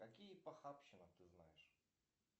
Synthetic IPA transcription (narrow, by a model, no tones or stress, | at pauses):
kɐkʲijəpɐxapɕɪnət̪ɨzna̰jɪʂ